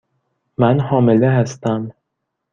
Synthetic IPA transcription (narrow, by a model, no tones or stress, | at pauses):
mænhɒːmeleɦæst̪æm